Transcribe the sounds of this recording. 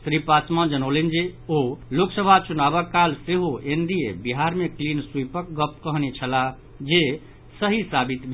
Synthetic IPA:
sɾipasmad͡ʒənolend͡ʒeoloksəbʱat͡ʃunabəkːalseɦoend̪iebiɦaɾmeklinsuipək̚ɡəpkəɦnet͡ʃʰəla | d͡ʒe | səɦisabit̪bʱ

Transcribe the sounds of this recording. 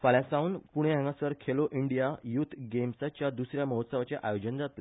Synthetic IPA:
faɭjãsaunpuɽ̃eɦɛ̃ŋɡasəɾkʰeloʔiɳɖijajut̪ʰɡemsat͡ɕjad̪usɾjaməɦət̪səʋat͡seʔajod͡ʑənd͡zat̪le

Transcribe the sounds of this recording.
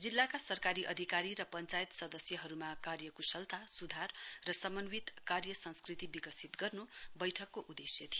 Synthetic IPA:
d͡zilːakasʌrkaɾiʔʌd̪ʱikaɾiɾʌpʌnt͡sajt̪sʌd̪ʌsjʌɦʌɾumakarjʌkusʌlt̪ʰasud̪ʱarːʌsʌmʌnwit̪karjʌsʌ̃nskrit̪ibiɡʌsit̪ɡʌrnobʌjʈʰʌkːoʔud̪esjʌt̪ʰio

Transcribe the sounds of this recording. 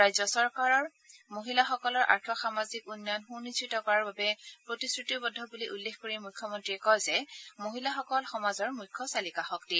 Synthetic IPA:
ɹajzɔsɔɹkaɹɔɹ | moɦilaxɔkɔlɔɹʔa̰ɹtʰɔxamazikunːɔnxunistɹitɔkɔɹaɹbabɛpɹotisɹitibɔdʱːɔbuliʔulːexkoɹimujkʰːɔmɔntɹiɛkɔjzɛmoɦilaxɔkɔlxɔmazɔɹmujkʰːɔsalikaxɔkti

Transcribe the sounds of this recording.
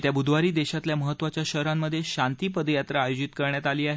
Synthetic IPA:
t̪jabud̪ʋaɾiːd̪eɕat̪ljaməɦət̪ːʋat͡ɕjaɕəɾamːəd̪ʱːjeɕant̪iːpəd̪jat̪ɾəːjod͡ʑit̪kəɾɳjat̪aliːaɦe

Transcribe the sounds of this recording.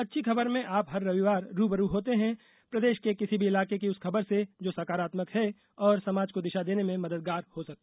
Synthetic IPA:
ɐtːʃʰikʰɐbəɾmẽʔaːpɦɐɾːɐʋiʋaːɾːuːbəɾuɦoːt̪eɦɛ̃ | pɾɐd̪eːʃkekɪsibʱiɪlaːkek̬iʊskʰɐbəɾsed͡ʒoːsɐkaːɾaːt̪məkɦɛ | ɔːɾsɐmaːd͡ʒkod̪ɪʃad̪eːnemẽmɐd̪əd̪̚ɡaːɾhosɐk̚t̪e

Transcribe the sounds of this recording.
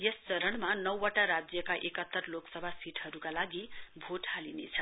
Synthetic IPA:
jest͡sʌɾʌɽmanʌwːʌʈaɾad͡zjʌkaʔekʌt̪ːʌrloksʌbʱasiʈʰɦʌɾukalaɡibʱoʈhalinḛt͡sʰʌ

